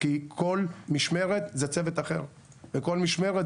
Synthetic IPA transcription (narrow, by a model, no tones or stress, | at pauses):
kikʰolmiʃmeʁet̪zet͡sevet̪aχe̞̰ʁ | veko̞lmiʃmeʁe